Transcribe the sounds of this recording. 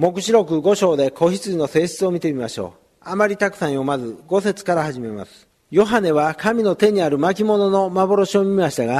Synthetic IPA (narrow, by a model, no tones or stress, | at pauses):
mo̞kɯ̟̥ɕiɾo̞kɯ̟ɡo̞ɕo̞ːd̪e̞ko̞çit͡sɨino̞se̞ːɕi̥t͡sɨo̞mʲit̪e̞mʲimaɕo̞̰ː | amaɾʲit̪akɯ̟̥sãɰ̃jo̞mazɨɡo̞se̞t͡sɨ̥kaɾahaʑime̞ma̰sɨ̥ | jo̞ɦane̞βakamʲino̞t̪e̞ɲ̟iaɾɯ̟mak̬ʲimo̞no̞no̞mabo̞ɾo̞ɕio̞mʲiimaɕi̥t̪aɡa